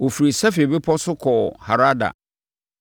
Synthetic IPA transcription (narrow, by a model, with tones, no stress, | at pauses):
o˨fi˨ɾi˨sɛ˦fe˨be˦pʰɔ˦sʊ˦kʰɔː˨ha˨ɾa˦da̰˨